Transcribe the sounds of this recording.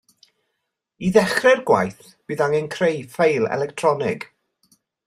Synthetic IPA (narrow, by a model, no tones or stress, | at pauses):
iðɛχrɛrɡwa̰jθ | b̥ɨːðaŋənkʰrejfejlˠɛ̰lɛktʰrɔnɪɡ̥